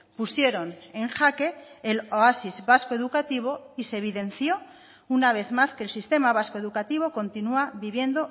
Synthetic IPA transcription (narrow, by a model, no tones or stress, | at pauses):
pusje̞ɾo̞neŋxake̞ːloasizβaskoe̞ðukat̪iβ̞o̞ise̞β̞iðe̞nθjo̞ | unaβ̞e̞θmaske̞ːlsist̪e̞maβ̞askoe̞ðukat̪iβ̞o̞ko̞nt̪inuaβiβje̞nd̪o̞